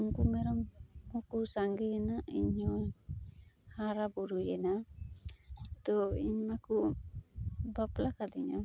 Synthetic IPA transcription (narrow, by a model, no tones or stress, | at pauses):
uŋkumɛɾɔmhɔkusaŋɡɛjɛnaʔiɲɔj | haɾabɔɾujɛna | t̪ɔiɲaku | baplakad̪ɛɲa̰